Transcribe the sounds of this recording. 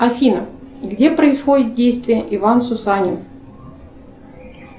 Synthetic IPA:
ɐfʲinəɡdʲepɾəɪsxodʲɪt̪̚dʲejst̪vʲɪjəʔɪvansʊsanʲɪn

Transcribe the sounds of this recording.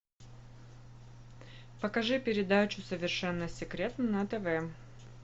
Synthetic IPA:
pəkɐʐɨpʲɪɾʲɪd̪at͡ɕʊsəvʲɪrʂɛnːəsʲɪkɾʲe̞t̪nənɐt̪ɛvɛ

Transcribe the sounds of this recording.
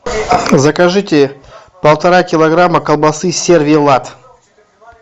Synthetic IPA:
zɐkɐʐɨtʲɪ | pəlˠt̪ɐɾakʲɪlˠɐɡɾamːəkəlˠbɐsɨsʲe̞rvʲijlˠat̪

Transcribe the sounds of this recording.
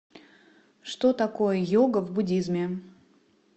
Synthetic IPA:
ʂt̪o̞t̪ɐko̞jəjoɡəvbʊdʲizmʲɪ

